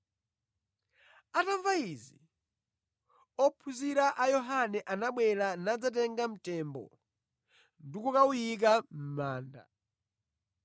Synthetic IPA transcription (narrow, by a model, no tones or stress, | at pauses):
ataɱvaizi | ɔpʰuziɾaʔajɔɦanɛʔanaɓwɛɾanad͡zat̬ɛŋɡam̩tɛmbɔ̰ | ndukɔkaujik̬am̩maːnda̰